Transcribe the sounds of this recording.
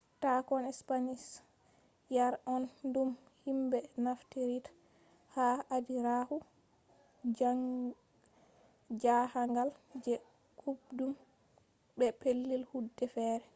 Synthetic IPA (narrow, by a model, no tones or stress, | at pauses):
takɔnɛspanis | jaɾɔndum | himbɛnaftiɾitḁ | haʔadiɾahu | d͡ʒahaŋɡald͡ʒɛ | kʰubdum | bɛpelːilhudːɛfɛːɾɛ